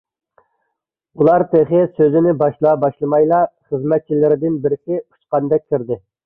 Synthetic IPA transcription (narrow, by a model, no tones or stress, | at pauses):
ulˠɑɾt̪ʰeχɪsøzɪnɪbɑʃlˠɑbɑʃlˠɨmɑjlˠɑχəzmɛt̪̚t͡ʃʰilɪɾɪd̪ɪnbɪɾsʲɪu̥t͡ʃqɑnd̪ɛk̚ʲkʰʲːiɾd̪ɪ